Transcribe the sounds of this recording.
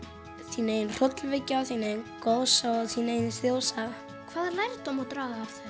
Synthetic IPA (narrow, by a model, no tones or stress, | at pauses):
siːneːjnr̥ɔt̪lvɪcːaaθiːnejnkoðsaɔðθiːneːjnsjowsa | kʰv̥aːðlajɾt̪ɔmɔt̪ɾaːɣaafθa